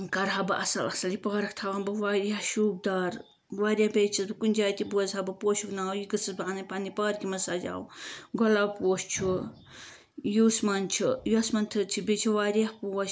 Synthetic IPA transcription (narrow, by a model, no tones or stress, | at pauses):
kɐɾɦɐbɨʔɐ̰sɐlɐsɐlipaːɾɐkt̪ʰaʋanbɨʋaɾiaʃuːb̚d̪aːɾ | ʋaːɾiabejt͡ʃʰɐsbɨkunʲd͡ʒaːt̪ibuɐzɦɐbɨpoːʃuknaːwjiɡɨsɨsbɨanɐpanipaːɾkimɐsaːd͡ʒa̰ːwɡɔlapoːʃt͡ʃʰu | jusmɐnt͡ʃʰijuɐsmɐnt̪ʰɨt͡ʃʰibit͡ʃʰiʋaːɾiahpuːʃ